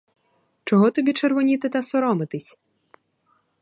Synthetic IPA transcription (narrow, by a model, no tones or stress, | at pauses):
t͡ʃɔɦɔt̪ɔbʲit͡ʃerʋɔnʲit̪ɪt̪ɐsɔɾɔmɪt̪ɪsʲ